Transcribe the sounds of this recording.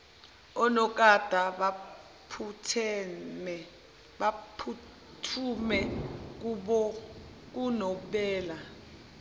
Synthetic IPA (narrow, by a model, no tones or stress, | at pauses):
ɔnɔk̬ʼad̥ʱaa | pʰutʰ | apʰu | tʰumɛk̬uɓɔk̬unɔɓɛːla